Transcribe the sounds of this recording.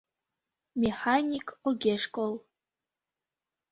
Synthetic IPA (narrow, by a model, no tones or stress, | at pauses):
mʲexanʲikoɡʲeʂkolˠ